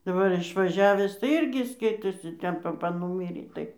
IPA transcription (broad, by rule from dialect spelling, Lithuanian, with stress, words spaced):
dɐˈbɐr ɪʃʋɐˈʒʲæːʋʲæːs tɐɪ ˈɪrʲɡʲɪ ˈskɐɪtoːsʲɪ ˈtʲɛn pɐˈpɐ ˈnuːmʲiːrʲeː ˈtɐɪ